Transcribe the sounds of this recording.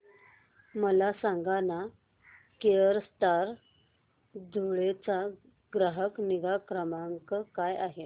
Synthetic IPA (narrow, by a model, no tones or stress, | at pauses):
məlasãŋɡana | keəɾst̪aɾ | d̪ʱuɭet͡sa | ɡɾəɦəkniɡakɾəmaŋkəkajaɦe